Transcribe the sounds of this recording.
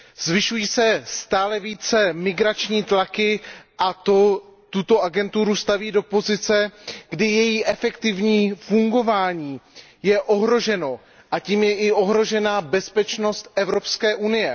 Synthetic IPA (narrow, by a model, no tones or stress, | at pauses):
zvɪʃujiːsɛst̪aːlɛviːt͡sɛmɪɡɾat͡ʃɲiːt̪lakɪʔat̪o̞t̪ut̪o̞ʔaɡɛnt̪uɾust̪aviːdo̞po̞zɪt͡sɛɡdɪjɛjiːʔɛfɛkt̪ɪvɲiːfuŋɡo̞vaːɲiː | jɛʔo̞ɦɾo̞ʒɛno̞ | ʔaciːmjɛʔɪʔo̞ɦɾo̞ʒɛnaːbɛspɛt͡ʃno̞st̪ʔɛvɾo̞pskɛːʔunɪjɛ